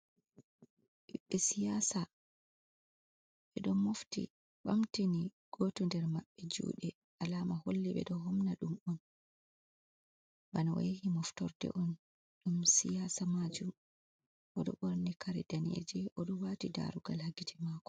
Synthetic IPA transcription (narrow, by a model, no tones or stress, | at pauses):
ʔiɓːɛsijasa | ɓɛɗɔmːoftḭ | ɓamtiniɡ̥otɔndɛɾmaɓːɛd͡ʒṵːɗɛ | ʔalaːmaholːiɓɛ̰ɗɔɦɔmnaɗumɔn | banaɔ̰jehimɔftɔɾdɛ̰ʔɔn | ɗumsijaːsamad͡ʒum | ʔɔɗɔ̰ɓɔɾnɛkʰaɾɛdanḛd͡ʒɛʔɔɗɔwaːtida̰ɾuɡalhaɡitʰɛmaːkɔ̥